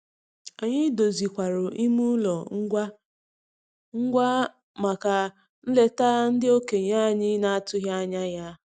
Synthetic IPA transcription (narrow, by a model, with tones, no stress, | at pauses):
a˨ɲɪ˦do˨zi˨kʷa˨ɾʊ˨ʔi˦mu˦lɔ˨ŋ̩˦ɡʷa˦ | ŋ̩˦ɡʷa˦ | ma˨ka˨ | n̩˦le˦taː˦n̩˦dɪ˦o˦ke˨ɲa˦˨ɲɪ˦na˨a˦tʊ˦ɦja˦ɲa˦ja˦